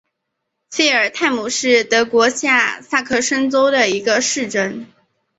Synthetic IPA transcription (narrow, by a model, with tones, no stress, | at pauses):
fe˥ɪə˞˨˩t̪ʰa˥˩ɪmu˨˩ʂɻ̩˥˩t̪ɤ˧˥kwɔ˧˥ɕja˥˧sa˥˩kʰɤ˥˩ʂə˥nt͡so˥ʊd̪ə˨i˧˥ɡə˧ʂɻ̩˥˩ʈ͡ʂə˥n